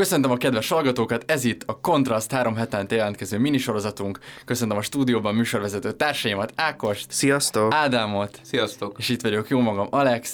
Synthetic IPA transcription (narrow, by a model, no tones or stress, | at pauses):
kø̞sø̞nt̪ømɒkɛd̪ʋɛʃhɒlɡɒt̪oːkɒt̪ɛzit̪ːɒko̞nt̪rɒst̪haːɾo̞mɦɛt̪ɛnt̪ɛjɛlɛnkɛzøːminiʃo̞ɾo̞zɒt̪uŋkːø̞sønt̪ømɒʃt̪uːd̪ijoːbɒmːyːʃo̞rʋɛzɛt̪øːt̪aːrʃɒjimɒt̪aːko̞ʃt̪sijɒst̪oaːd̪amo̞t̪sijɒst̪okeːʃit̪ʋɒɟo̞kjoːmɒɡɒmɒlɛks